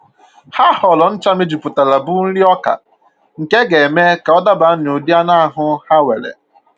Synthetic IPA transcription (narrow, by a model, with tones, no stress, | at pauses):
ha˦hɔ˨lɔ˨n̩˦t͡ʃa˦me˦d͡ʒi˨pʊ˨ta˨la˨bu˦n̩˦ɾi˦ɔ˦ka̰˨ | ŋ̩˨ke˦ɡe˨me˦ka˨ɔ˦da˦ba˨˦n˨o˨di˦a˦na˦a˦˨ɦʊ˦ha˦we˨ɾḛ˨